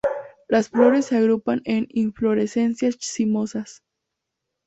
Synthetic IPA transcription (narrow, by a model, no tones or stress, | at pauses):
lasflo̞ɾe̞sːeaɣɾupane̞niɱflo̞ɾese̞nsjasimo̞sas